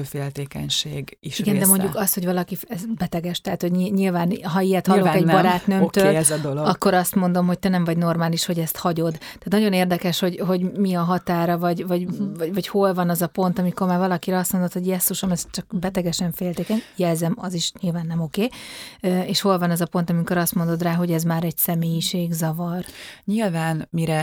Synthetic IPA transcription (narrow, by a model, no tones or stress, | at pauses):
øfeːlt̪eːkɛ̰ɲʃeːɡiʃiɡɛnd̪ɛmo̞ɲɟukɒsho̞ɟvɒlɒkiɛzbɛt̪ɛɡɛʃt̪ɛɦaːt̪ho̞ɟiɲilvaːnɦɒijɛt̪hɒllːokɛɟ̪bɒɾaːt̪nømt̪ød̪oloɡɒkːo̞ɾɒst̪mo̞nd̪o̞mɦo̞c̚t̪ɛnɛmvɒɟno̞rmaːliʃho̞ɟɛst̪hɒɟo̞d̪t̪ɛːt̪nɒɟo̞neːrd̪ɛkɛʃho̞ɟɦo̞ɟmiɒɦɒt̪aːɾɒvɒɟvɒɟvɒvɒcho̞lvɒnɒzɒpo̞nt̪ɒmiko̞rmaːrvɒlɒkiɾɛɒst̪mo̞nd̪ot̪ho̞ɟjɛsːoʃomɛst͡ʃɒkbɛt̪ɛɡɛʃɛɱfeːlt̪eːkɛɲjɛlzɛmɒziʃɲilvaːnːɛmo̞keːøeːʃho̞lvɒnɛzɒpo̞nt̪ɒmiko̞ɾɒst̪mo̞nd̪o̞d̪raːɦo̞ɟɛzmaːɾɛɟsɛmeːjiʃeːɡzɒvɒrɲilvaːnmiɾɛ